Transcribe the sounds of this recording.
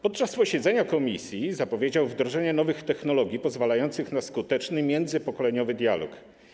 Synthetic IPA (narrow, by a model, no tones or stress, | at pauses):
pɔt̪̚t͡ʂaspɔɕɛd̪zɛɲakɔmʲisʲjizapɔvʲjed͡ʑawvd̪ɾɔʐɛɲɛnɔvɘxt̪ɛxnɔlɔɡʲjipɔzvalajɔnt̪sɘxnaskut̪ɛt͡ʂnɘmʲjɛnd̪zɘpɔkɔlɛɲɔvɘd̪ʲjalɔ̰k